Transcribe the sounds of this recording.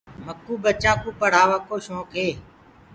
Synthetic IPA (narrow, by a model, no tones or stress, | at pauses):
məkːuːbət͡ʃãːkuːpəɽ̤aːʋaːkoːʃõːkʰeː